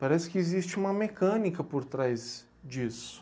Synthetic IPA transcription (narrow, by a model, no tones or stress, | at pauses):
paɾɛsɪ̥kɪezist͡ʃɪũmɐmekɐ̃nikɐpoɾt̪ɾajz | d͡ʒisʊ̥